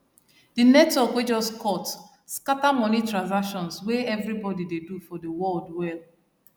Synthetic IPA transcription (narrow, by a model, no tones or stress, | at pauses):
d̥inɛtɔkwed͡ʒɔskʰɔt | skatamɔnitɹãnz̬akʃɔ̃nsweɛvɹibɔdidedufɔdəwɔldwɛl